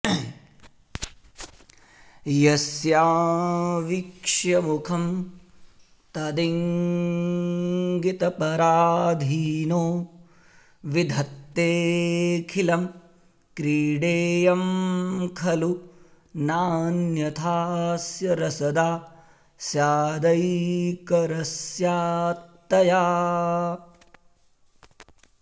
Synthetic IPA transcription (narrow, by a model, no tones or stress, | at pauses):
jɐsjaːʋikʂjɐmukʰɐm | t̪ɐd̪iŋ | ɡit̪ɐpɐɾaːd̪ʱiːnoː | ʋid̪ʱɐt̪ːeːkʰilɐm | kɾiːɖeːjɐmkʰɐlu | naːnjɐt̪ʰaːsjɐɾɐsɐd̪aː | sjaːd̪ɐjkɐɾɐsjaːt̪ːɐjaː